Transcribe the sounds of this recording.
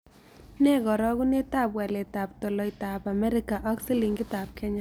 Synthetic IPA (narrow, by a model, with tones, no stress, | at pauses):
nɛ˦ɡɔ˨ɾɔ˦ku˦ne˦ta˦˨pwɛ˨le˨ta˨p̚to˨lɔ˨i˨ta˨pa˨mɛ˦ɾɪ˦ka˨ʔɔ˦ksi˦li˨ŋɡɪ˦ta˨p̚kɛ˦ɲa˦